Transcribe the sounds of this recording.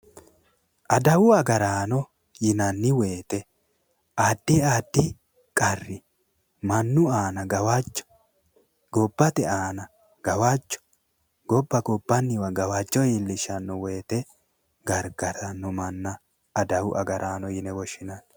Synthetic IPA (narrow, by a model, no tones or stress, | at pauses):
ʔɐd̪ɐwʊɐɡɐɾaːnɔ | jɪnɐnːɪwe̞ːt̪ɛ | ʔaːd̪̥ːɪaːd̪ːɪ | kʼɐrːɪ | mɐnːʊaːnɐɡɐwat͡ʃːɔ̥ | ɡ̥ɔbːɐt̪ɛaːnɐ | ɡ̥ɐwat͡ʃʼːɔ̥ | ɡ̥ɔbːɐɡɔbːɐnːɪwɐɡɐwaːt͡ʃʼːɔjiːlːɪʃɐnːɔwe̞ːt̪ɛ | ɡɐɾɡɐɾɐnːɔmɐnːɐː | d̪ɐwʊʔɐ̰ɡɐɾʔaːnɔjɪnɛwɔʃɪnan